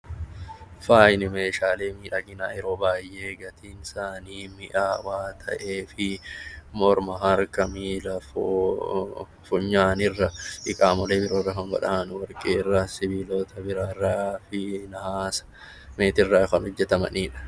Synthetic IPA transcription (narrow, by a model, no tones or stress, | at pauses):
faːjnɪme̞ːʃaːleːmiːᶑɐɡɪna̰ːjɛɾo̞ːbaːjʔeːɡɐt̪ʰiːnsaːniːmɪʔaːwaːt̪ʰɐ̰ʔeːfɪmɔɾmɐɦɐɾkɐmiːlɐfo | fʊɲːaːnɪrːɐʔɪkʼaːmɐleːbɪɾoːrːɐkɐmbɐ̰ᶑaːnwɐɾkʼeːɪrːaːsɪbiːloːt̪ɐbɪɾaːrːaːfɪnɐhaːsɐ̥ | meːt̪ɪrːaːkɐnhɔd͡ʒːɛt̪ɐmɐ̰niːᶑɐ̥